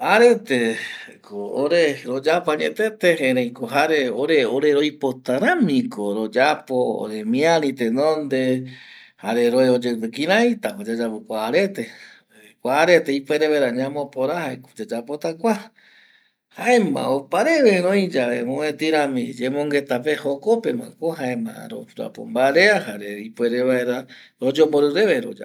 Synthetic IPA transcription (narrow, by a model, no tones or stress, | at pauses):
aɾet̪ekʰooɾeɾod͡ʒapaɲḛ̃t̪et̪ehẽɾẽj̃koɦaɾeoɾeoɾeɾojpot̪aɾãmĩkoɾod͡ʒapoo̰ɾemĩaɾĩt̪enõnd̪e | haɾeɾoeod͡ʒepɨkĩɾãĩt̪apad͡ʒad͡ʒapɨkʷaːɾet̪e | kʷaːɾet̪eipweɾeβaeɾaɲãmopoɾahaeko̥d͡ʒed͡ʒapot̪akʷa | haemã̰opaɾeβeɾõĩd͡ʒaβemõẽt̪iɾãmḭ̃d͡ʒemõŋɡe̞t̪ap̬ehokopemã̰koɦaẽmã̰ɾo̰ɾoa̰po̰mbaɾeaɦaɾeipweɾeβaeɾa | ɾod͡ʒomboɾɨɾeβeɾo̰d͡ʒa̰